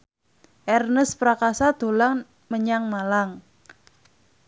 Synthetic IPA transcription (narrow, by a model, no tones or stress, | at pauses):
ʔɛrnəspɾakasad̪̥o̤laŋ | məɲaŋmalaŋ